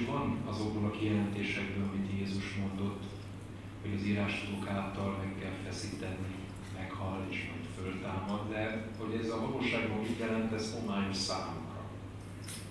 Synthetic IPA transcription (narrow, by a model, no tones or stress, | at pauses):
vɒnɒzo̞ɡ̚bolɒkijɛlɛnt̪eːʃɛɡbøːlɒmit̪jeːzuʃmo̞nd̪o̞t̪ː | ho̞ɟɒziːɾaːʃkod̪oːkaːt̪ɒlmɛkːɛlfɛsiːt̪ɛni | mɛkhɒlːḛːʃmɒ̰jt̪fø̞lt̪aːmɒd̪ːɛho̞ɟɛzɒvɒloːʃaːɡbɒiɟ̪ɛlɛnt̪ɛzomaːɲoʃsa̰ːmukɾɒ̰